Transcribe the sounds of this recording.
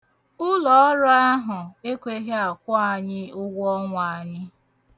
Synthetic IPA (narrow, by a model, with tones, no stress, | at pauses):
ʊ˦lɔ˨ɔ˦ɾʊ˦a˦ɦʊ˨e˦kʷe˦ɦe˦a˨kʷɔ˦a˨ɲɪ˦ʊ˦ɡʷɔ˦ŋʷa˨ɲɪ˦